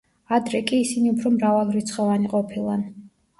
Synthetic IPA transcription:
ad̪ɾɛkʼiːsiniupʰɾɔmɾavalˠɾit̪sʰχʼɔvaniqʼɔpʰilˠan

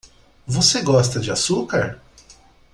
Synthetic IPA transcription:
voseɡɔst̪ɐd͡ʒɪasukaɾ

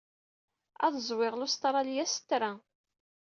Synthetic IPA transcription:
æðəzˤwɪʁlʊst̪ɾˤɑljæsə̥t̪ːɾæ

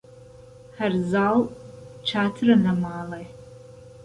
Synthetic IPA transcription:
harzaːlt͡ʃʰaːtʰɨrɐnɐmaːlaj

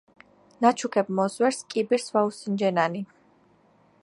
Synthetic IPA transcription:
nat͡ʃʰukʰɛbmɔzwɛɾskʼibiɾswausind͡ʒɛnani

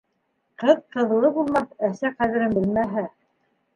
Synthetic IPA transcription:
qɤðqɤ̆ðlˠɤbulˠmɑθæsæqæðɘ̆ɾɘmbɘlmæɦæ

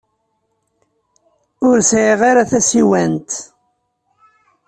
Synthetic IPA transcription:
ʊɾsʕiʁaɾaθæsiwænt̪

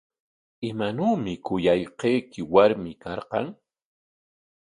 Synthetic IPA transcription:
ɪmanuːmɪkʊjajqejkɪwaɾmɪkɑɾqɑŋ

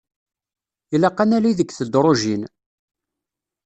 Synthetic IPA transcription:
ilɑqːanæliðəkːθəd̪ɾˤoʒin

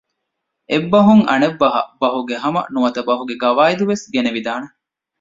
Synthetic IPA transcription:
ebːɐɦuŋɐ̰nebːɐɦɐ̰bɐɦuɡeɦɐmɐ̰nuʋɐt̪ɐbɐɦuɡeɡɐʋaːid̪uʋesɡeneʋid̪aːnɐ

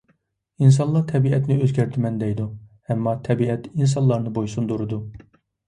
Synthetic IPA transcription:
ins̬ɑnlˠɑɾt̪ʰɛbiɛt̪nɪøzɡʲæɾt̪ʰɪmɛnd̪ɛjd̪uhɛmːɑt̪ʰɛbiɛt̪ins̬ɑnlˠɑɾnɨbojsund̪oɾɨd̪u

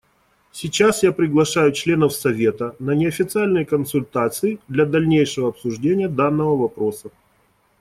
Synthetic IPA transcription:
sʲɪt͡ɕasjapɾʲɪɡlˠɐʂajʊt͡ɕlʲe̞nəfsɐvʲe̞t̪ənənʲɪɐfʲɪt̪sɨalʲnɨjəkənsʊlʲt̪at̪sɨɪd̪lʲɐd̪ɐlʲnʲejʂɨvəɐpsʊʐdʲenʲɪjəd̪anːəvəvɐpɾo̞sə

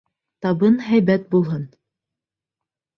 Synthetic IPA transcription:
t̪ɑβɤnɦæjbæt̪̚bulˠɦɤn

